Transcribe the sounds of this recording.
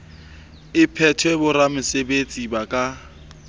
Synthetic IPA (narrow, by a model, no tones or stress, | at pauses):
ɪpʰɛtʰwɛbʊɾamʊsebet͡sʼibakʼa